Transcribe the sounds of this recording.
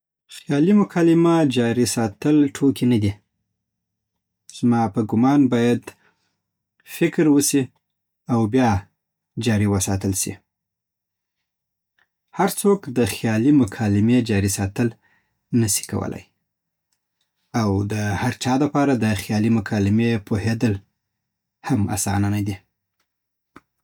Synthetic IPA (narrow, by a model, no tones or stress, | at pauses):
xjɑlimʊkʰɑlɪmad͡ʒɑɾisɑt̪əlʈʰokinad̪i | z̥mɑpəɡʊmɑnbɑjad̪ | fɪkɾwəsi | awbjɑ | d͡ʒɑɾiwəsɑ̰t̪əlʃḭ | haɾt͡sokd̪əxjɑlimʊkʰɑlɪmed͡ʒɑɾisɑt̪əl | nəsi̥ka̰wə̰la̰j | awd̪əhaɾt͡ʃɑd̪əpɑɾad̪əxjɑlimʊkʰɑlɪmepʰohed̪əl | hama̰sɑ̰nanad̪i